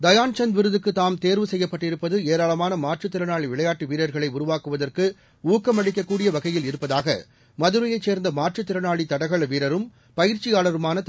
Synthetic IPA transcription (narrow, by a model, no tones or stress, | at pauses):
d̪ɐjaːnt͡ʃɐnʋɪɾɯðɯkːɯt̪ːaːmt̪eːɾʋɯsɛjːɐpːɐʈːɪɾɯpːɐðɯeːɾaːɭɐmaːnɐmaːʈrɯt̪ːɪɾɐnaːɭiʋɪɭɐjaːʈːiʋiːɾɐɾɣɐɭɐɪʊɾʊʋaːkɯʋɐðɐrkɯ | uːkːɐmɐɽɪk̬ːɐkːuːɽɪjɐʋɐɣɐjɪlɪɾɯpːɐðaːɣɐ̰ | mɐðɯɾɐjɐɪt͡ʃːeːɾnd̪ɐmaːʈt͡ʃɯt̪ːɪɾɐnaːɭit̪ɐɽɐɣɐɭʋiːɾɐɾɯm | pɐjɪɾt͡ʃɪjaːɭɐɾɯmaːnɐt̪